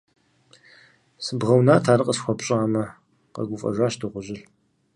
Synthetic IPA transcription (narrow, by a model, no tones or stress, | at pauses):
sɨbʁɐwnaːtʰaːɾɨqʼəsxʷɔpɕʼaːmɐ | qɐ̰ɡʷʊfʼɐ̰ʒʷaːɕdɨʁʷʊʑɪr